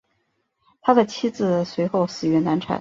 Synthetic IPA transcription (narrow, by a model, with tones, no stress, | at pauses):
t̪ʰa˥d̪ə˨t͡ɕʰi˥d͡zɹ̩˧swe˧˥ɪxo˥˩ʊsɹ̩˨˩ɥɛ˧˥na˧˥nʈ͡ʂʰa̰˨˩˦